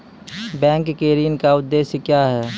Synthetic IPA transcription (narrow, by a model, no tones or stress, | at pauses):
bɛ̃ːŋkkeːɾiːənkaʊd̪ːeːʃəkjaːɦɛː